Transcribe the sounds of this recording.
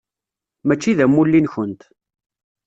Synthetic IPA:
mæt͡ʃːiðæmːulːinçənt̪

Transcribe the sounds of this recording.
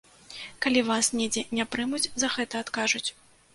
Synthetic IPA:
kalʲivasnʲɛd͡zʲɛnʲapɾɨmut͡sʲzɐɣɛt̪ɐːt̪kaʐut͡sʲ

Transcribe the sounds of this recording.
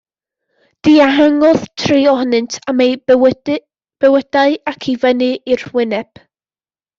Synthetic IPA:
d̥iːaɦaŋɔð̥tʰriɔhnɨntʰamej | b̥ɛwədaɨakʰivənɨirwɪnɛb̥

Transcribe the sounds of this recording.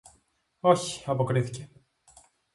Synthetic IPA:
o̞çi̥ɐpo̞kɾiθice̞

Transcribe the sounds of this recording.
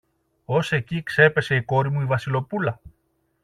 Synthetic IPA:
o̞se̞cikse̞pe̞se̞iko̞ɾimuivɐsilo̞pulɐ

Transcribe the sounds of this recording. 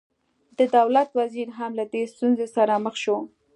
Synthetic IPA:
d̪əd̪awlat̪waziɾɦamlad̪est̪unzesaɾaməxʃo

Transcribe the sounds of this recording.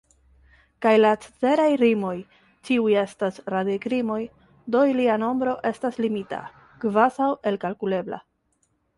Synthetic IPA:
kajlat͡se̥t͡se̞ɾajɾimo̞j | tiuje̞stasɾadekɾimo̞j | d̪o̞iliano̞mbɾo̞ʔe̞staslimita̰ | ɡvasawe̞lkalkule̞bla̰

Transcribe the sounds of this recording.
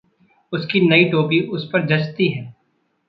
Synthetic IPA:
ʊskinɐiʈ̪oːpiʔʊspɐɾd͡ʒɐt͡ʃt̪iɦɛ̃ː

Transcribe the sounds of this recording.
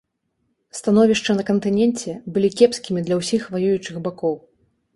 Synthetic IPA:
st̪anɔvʲiʂt͡ʂɐnɐkɐnt̪ɨnʲɛnt͡sʲɛbɨlʲikʲɛpskʲimʲid̪lʲɐwsʲixvajujut͡ʂɨɣbakɔw

